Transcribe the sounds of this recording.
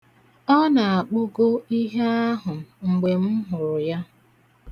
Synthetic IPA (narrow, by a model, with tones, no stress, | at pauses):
ɔ˦na˨a˨k͡pʊ˦ɡo˦i˦ɦe˦a˦ɦʊ˨ŋ̩˨ɡ͡be˨m̩˦ɦʊ˨ɾʊ˨ja˦